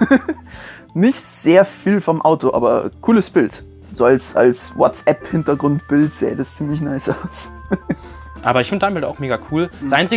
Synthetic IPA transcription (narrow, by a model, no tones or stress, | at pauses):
nɪçtz̥eːɐfiːlfɔmʔaʊtoʔa̰ːbɐkʰuːləsb̥ɪlt | z̥oːalsʔa̰lswɔtt͡sɛphɪntɐɡʁʊntb̥ɪltz̥ḛːd̥ast͡siːmlɪçnaɪsʔaʊs | ʔa̰ːbɐɪçfɪndədaɪmbɪlda̰ʊxmeːɡakʰuːl̥ɛːʔaɪnt͡sɪ